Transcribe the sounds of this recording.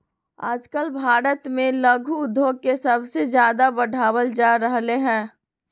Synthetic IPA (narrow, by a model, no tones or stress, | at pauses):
a̰ːd͡ʒkəlbʱaːɾət̪mẽləɡʱuʊd̪ʱːoːkesɐbsed͡ʒjaːd̪abɐɖʱaːwəld͡ʒaːɾəɦleɦɛ̃ː